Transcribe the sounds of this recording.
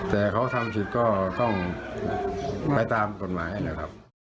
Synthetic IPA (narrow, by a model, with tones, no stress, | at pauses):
t̪ɛː˨˩kʰa˦˥wt̪ʰa˧msʰi˨˩t̪̚kɔː˥˩t̪ɔ˥˩ŋ | pa˧jt̪aː˧mko˧nmaː˨˦jha˥˩na˦˥kʰa˦˥p̚